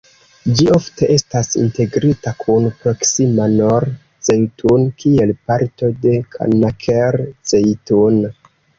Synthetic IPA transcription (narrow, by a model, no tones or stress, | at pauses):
d͡ʒio̞fte̞ʔe̞stasḭnte̞ɡɾitakʰunpɾo̞ksimanoɾ | t͡sejtunkie̞lpaɾto̞de̞kʰa̰nakʰeɾt͡sejtun